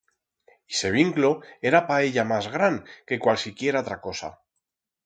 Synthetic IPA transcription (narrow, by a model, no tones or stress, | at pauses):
ise̞β̞iŋkloe̞ɾapae̞ʎamazɣ̞ɾaŋke̞kwalsikje̞ɾaot̪ɾako̞sa̰